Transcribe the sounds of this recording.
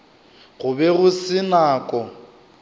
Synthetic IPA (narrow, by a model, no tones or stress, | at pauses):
ɣʊbɛɣʊsɪnaːkʼɔ